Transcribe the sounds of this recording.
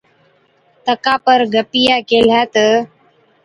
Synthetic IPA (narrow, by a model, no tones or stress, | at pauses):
t̪əkapəɾɡəpijakeːl̤jat̪ə